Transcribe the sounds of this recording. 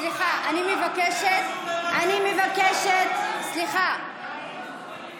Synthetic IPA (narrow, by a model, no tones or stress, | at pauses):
sliχaʔanimevakeʃet̪animevakeʃet̪sliχa